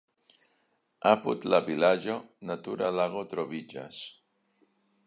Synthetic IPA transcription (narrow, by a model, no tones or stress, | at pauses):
aput̪laβilaʒonat̪uɾalaɣot̪ɾoβid͡ʒa̰s